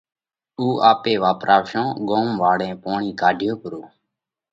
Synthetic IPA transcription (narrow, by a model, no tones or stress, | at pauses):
uːʔaːpeːʋaːpɾʔaːʋʃõːɠoːmʋaːɽẽːpoːɳiːkaːɖʱjoːpəɾoː